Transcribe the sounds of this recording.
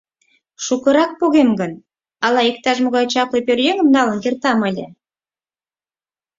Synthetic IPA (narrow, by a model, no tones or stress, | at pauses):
ʃukə̆ɾɑk̚poɣemɡə̆n | ɑlɑik̚t̪ɑʒmoɣɑjt͡ɕɑplepʲørjeŋə̆mnɑlə̆nkert̪ɑmə̆lʲḛ̆